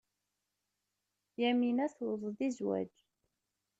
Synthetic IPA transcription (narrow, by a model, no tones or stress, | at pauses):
jæminæθwðˤðizwæ̰d͡ʒ